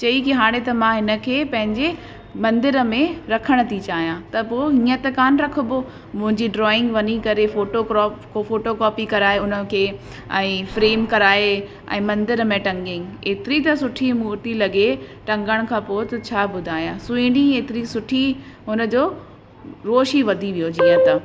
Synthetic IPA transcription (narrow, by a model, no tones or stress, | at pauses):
t͡ɕɐikiɦaːɽ̃et̪ɐmãɦɪnə̆kʰeːpɐ̃ɦɪ̃ɲd͡ʑe | mɐ̃nd̪ɪɾəmẽɾɐkʰəɽ̃ə̆t̪ʰit͡ɕaːɦijãːt̪ɐpoːɦĩːət̪ɐkaːnɾɐkʰʊboː | mʊ̃ɦɪ̃ɲd͡ʑiɖɾɔːɪ̃ŋɡʋɐnikɐɾefoːʈokɾɔːpkofoːʈokɔːpikɐɾaːeʊnə̆kʰeː | ɛ̃ːfɾeːmkɐɾaːe | ɛ̰̃ːmɐ̃nd̪ɪɾmẽʈɐ̃ŋɡɪ̃ŋɡeːt̪ɪɾit̪ɐsʊʈʰimuːʈ̪ilɐɡeʈɐ̃ŋɡəɽ̃kʰãːpoːt̪ɐt͡ɕʰaːbʊd̪ʱaːjãːsʊĩɽɖieːt̪ɪɾisʊʈʰi | ɦʊnə̆d͡ʑoː | ɾoːʃiʋɐd̪ʱiʋijod͡ʑiːə̃t̪ɐ